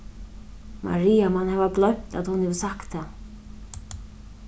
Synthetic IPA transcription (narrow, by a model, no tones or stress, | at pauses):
mʔa̰ɾiːjamanhɛːvablɔɥm̥t̪a̰t̪hunhɛvsakt̪ːa